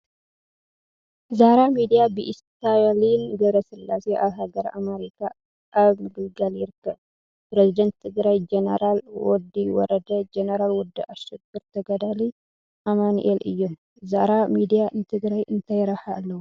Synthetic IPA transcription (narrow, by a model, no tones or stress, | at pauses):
zaɾamid̪ijabiʔɪst̪ajalinɡɐβɾɐsɨlːaseʔaβɦaɡəɾa̰meɾikʰa | ʔaβmɨɡɨlɡaljɪɾkʰːəb | pɾezid̪ɐnt̪t̪ʰːɨɡɾajd͡ʒɛnəɾalwɔd̪iwɔ̰ɾəd̪ɐd͡ʒɛnəɾalwɔd̪ːiʔaʃɛɡɨɾt̪ʰɐɡɐd̪ali | ʔamanʔelɨ̰jːɔm | zaɾamid̪ijant̪ʰɨɡɾajʔɨnt̪ʰajɾɐhalːəwu